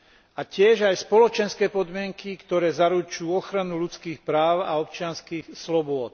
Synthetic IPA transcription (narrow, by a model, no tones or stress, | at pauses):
acɪɛʒajspɔlɔt͡ʃɛnskɛːpɔd̪mɪɛŋkikt̪ɔɾɛːzaɾut͡ʃuːɔxɾanulut͡skiːxpɾaːʊa̰ɔp̚t͡ʃɪanskiːxslɔbʊɔt̪̚